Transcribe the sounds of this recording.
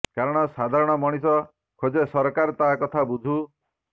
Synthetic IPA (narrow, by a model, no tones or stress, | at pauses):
kaɾɔɽ̃ɔsad̪ʱaɾɔɽ̃ɔmɔɽ̃isɔ | kʰod͡ʒesɔɾkaɾt̪aɦakɔt̪ʰabud͡ʒʱu